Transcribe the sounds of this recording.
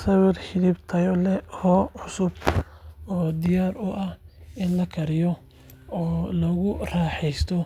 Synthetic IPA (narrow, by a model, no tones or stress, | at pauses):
sɐwɪrħɪdibt̪ʰɐjɔlɛhɔːʕʊsʊb | ɔːd̪ɪjaːɾʊʔɐhɪnlɐkʰɐɾɪjɔ | ɔːlɔɣʊraːħɛjst̪ʰɔ